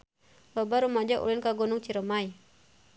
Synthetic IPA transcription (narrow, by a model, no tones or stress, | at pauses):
lɔbaɾumad͡ʒaʔṵlinkaɡɔnʊŋt͡ʃiɾəmaj